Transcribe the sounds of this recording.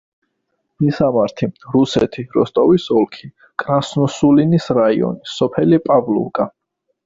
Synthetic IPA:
misamaɾt̪ʰiɾusɛt̪ʰiɾɔst̪ʼɔvisɔlˠkʰi | kʼɾasnɔsulinisɾaiɔ̰nisɔpʰɛlipʼavlṵkʼa

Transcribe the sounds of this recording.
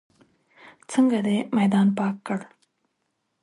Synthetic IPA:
t͡səŋɡad̪emajd̪ɑːnpɑːkːəɽ

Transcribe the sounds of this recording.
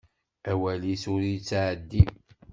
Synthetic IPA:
æwælisʊɾit͡sːʕəd̪ːi

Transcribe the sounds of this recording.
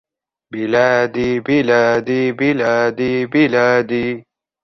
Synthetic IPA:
bilaːd̪ibilaːd̪ibilaːd̪ibilaːd̪i

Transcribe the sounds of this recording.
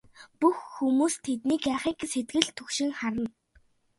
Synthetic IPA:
puxːumuːst̪ʰet̪niːkaχiːkset̪̚ɡɘ̆ɮt̪ʰɵkʃɪ̆ŋχaɾə̆n

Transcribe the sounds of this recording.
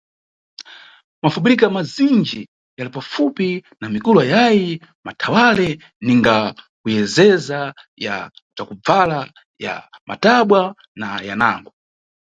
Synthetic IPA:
mafuɓiɾikamazind͡ʒɛɛ | jalipafupinamikuluajaji | matʰawalɛ | niŋɡa | kujɛzɛza | ja̰t͡ʃakub͡vala | ja̰mʔa̰taɓwa | najana̰ŋɡɔ

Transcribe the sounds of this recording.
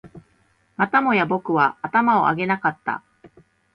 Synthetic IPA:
mat̪amo̞jabo̞kɯ̟βaːt̪amao̞̰a̰ɡe̞nakat̪ːa̰

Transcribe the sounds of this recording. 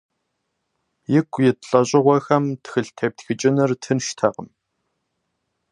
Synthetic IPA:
jɪkʷʰjɪtɬʼɐɕʼɪʁʷɐxɐmtxɨɬtʰeːp̚txɨt͡ʃʼɪnɨrtʰɨnʃtʰɐqə̰m

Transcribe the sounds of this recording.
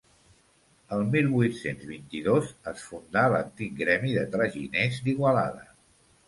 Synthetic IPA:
əlˠmilˠβujt̪senzβint̪iðozəsfund̪alə̰nt̪ik̚ɡɾɛmiðət̪ɾəʒḭnezd̪iɣwəla̰ðə̰

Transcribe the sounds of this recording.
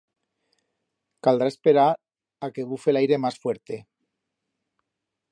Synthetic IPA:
kald̪ɾaespe̞ɾaɾ | akeβ̞ufelajɾe̞masfweɾt̪e̞

